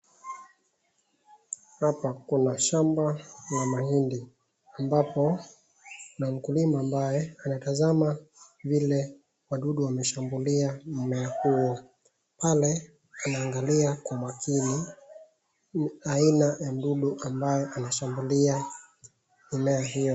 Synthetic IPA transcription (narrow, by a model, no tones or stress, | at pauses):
hapakunaʃambalamahindi | ambapɔ | nam̩kulimaːmbajɛanatazama | vilɛ | waɗuɗuwamɛʃambuliam̩mɛahuwɔ | palɛ | anaːŋɡaliakwamakʰini | ainajam̩ɗuɗuʔambajɛʔanaʃambulia | inɛaɦijɔ